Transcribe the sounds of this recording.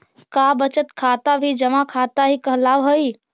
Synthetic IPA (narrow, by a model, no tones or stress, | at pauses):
kabət͡ʃət̪kʰaːt̪abʱid͡ʒəmãkʰat̪aɦikəɦlaːʋɦəi